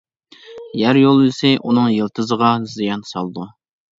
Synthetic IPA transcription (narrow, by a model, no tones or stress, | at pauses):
jæɾjolˠisɛʔunɨŋjəlˠt̪ʰɨzəʁɑzijɑnsɑ̰lˠd̪u